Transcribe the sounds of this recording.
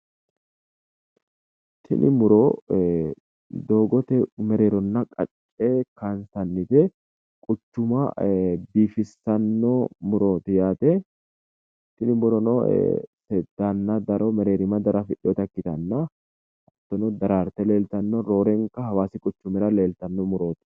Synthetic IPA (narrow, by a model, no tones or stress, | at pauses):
t̪ʰːɪ̰nʔɪ̰mʊɾo | d̪oːɡɔt̪ɛmɛɾeːɾɔnːɐkʼɐ̰t͡ʃʼː | eːkaːnsɐnːɪt̪ɛ | kʼʊt͡ʃːʊmɐbiːfɪsːɐnːomʊɾoːt̪ɪjaːt̪ɛ | t̪ːɪnɪbʊɾɔnɔ̰sɛd̪ːanːɐd̪ɐɾɔmɛɾeːɾɪmɐd̪ɐɾɐfɪɗːɔt̪ɐkːɪt̪ɐnːɐ | ɐt̪ːɔnɔd̪ɐɾaːɾt̪ɛle̞ːlt̪ɐnːɔɾo̞ːɾɛŋkɐhɐwaːsɪkʼʊt͡ʃːʊmɛɾɐle̞ːlt̪ɐnːɔmʊɾo̞ːt̪ɪ̥